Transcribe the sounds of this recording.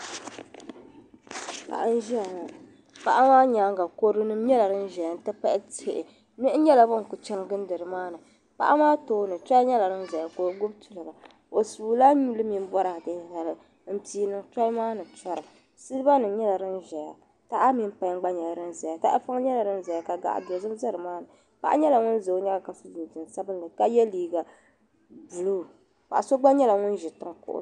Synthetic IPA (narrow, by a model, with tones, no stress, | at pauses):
a̰˨ʔa˦n˦ʒi˦a˨ŋa˨ | pa˦ʔa˦maː˦ɲaː˨˦ŋɡa˨ko˦ɾɨ˦nɨ˦m˦ɲɛ˦la˨ɾɨ˦n˦ʒɛ˨ja˨n˦tɨ˦pa˦ʔɪ˦te˦˨ʔɪ˨ | mɛ˦ʔɲɛ˦la˨bʊ˦ŋ˨kʊ˨t͡ʃɛ˦ɾɡɨ˦n˦dɨ˨ɾɨ˨maː˦nɨ˨ | pa̰˦ʔa˦maː˦toː˦nɨ˨tɾa˦ɲɛ˦la˨ɾɨ˦n˦za˨ja˨ko˨˦ɡʊ˦b̚tu˨lɨ˨ɡa˨ | o˨suː˨la˦ɲu˦lɨ˦mi˦m˦bɔ˦ɾa˨tɨ˨la˨lɨ˨ | m̩˦ti˦nɨ˨ŋta˦lmaː˦nɨ˨t͡ʃɔ˦ɾɨ˨ | sɨ˦lba˦nɨ˨˦ɲɛ˦la˨ɾɨ˦nʒɛ˨ja˨ | ta˦ʔa˦mi˦m˦pa˦ŋ˦ɡ͡ba˦ɲɛ˨la˨ɾɨ˦nza˨ja˨ta̰˦ʔa̰˦fa˦ŋ˦ɲɛ˦la˨ɾɨ˦n˦za˨ja˨ka˨ɡa̰˨ʔa̰˨bɛ˨zɨ˦m˦za˦ɾɨ˨maː˦nɨ˨ | pa̰˦ʔa̰˦ɲɛ˦la˨ŋʊ˦n˦zo˨˦ɲɛ˦la˨ka˨sɨ˦zi˨n˨tɨ˨n˨sa˦bɨ˦n˦lɨ˨ka˦jɛ˦liː˦ɡa˨ | bu˨lu˦˨ | ka˨a˨so˦ɡ͡ba˦ɲɛ˦la˨ŋʊ˦n˦ʒɛ˨tɨ˦ŋkʊ̰˦ʔʊ̰˦